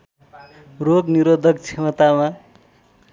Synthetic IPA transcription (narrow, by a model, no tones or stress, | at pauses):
roɡniɾod̪ʱʌk̚t͡sʰemʌt̪ama